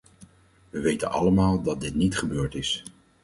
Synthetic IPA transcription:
ʋəʋejtənɑ̰ləmaːlˠdɑt̚dɪtnitχəbøːɹtɪs

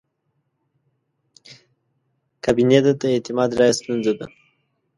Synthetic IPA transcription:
kabined̪ət̪aet̪ɪmɑd̪ɾɑjast̪unzad̪a

